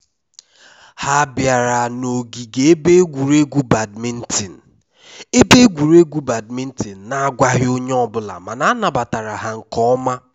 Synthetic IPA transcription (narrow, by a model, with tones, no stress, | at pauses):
ha˦bja˨ɾa˨no˨ɡi˨ɡe˨e˦be˦ɡʷu˨ɾe˦ɡʷu˦ba˨dmi˦n̩˦ti˨n̩˨ | e˦be˦ɡʷu˨ɾe˦ɡʷu˦ba˨d̚mi˦n̩˦ti˨n̩˨na˨a˦ɡʷa˦ɦɪ˦o˦ɲe˦ɔ˦bʊ˦la̰˨ma˨na˦na˨ba˨ta˨ɾa˨ɦa˨ŋ̩˨kɔ˦ma˦